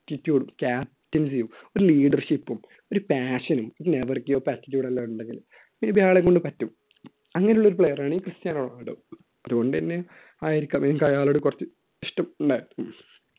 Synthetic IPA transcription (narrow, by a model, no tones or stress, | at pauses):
tːitːjuːɽumkʲaː | tːins̬ijumoɾuliːɖɐrʂipːum | oɾupaːɕɐnumoɾuneʋɐrkːijoːpaːtːitʲːjuːɽɐlːaːuɳɖeŋɡil | mebjaːɭeko̞ɳɖɨpɐtːum | ɐŋːɐnejuɭːo̞ɾupɭejɐraːɳiːkrɨst̪jaːnɐɭaːiɽo | ɐðuɣo̞ɳɖɨenːe | aːjiɾikʲːaːmemkɐjaːɭoːɽɨkurɐt͡ɕːɨ | iʂʈɐmuɳɖaːjiɾkːum